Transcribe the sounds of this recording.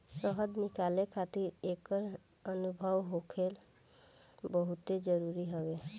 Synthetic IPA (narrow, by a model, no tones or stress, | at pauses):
səɦəd̪nɪkaːlekʰat̪iɾekəɾ | ənubʱəʋɦokʰel | bəɦut̪ed͡ʒəɾuɾiɦəʋe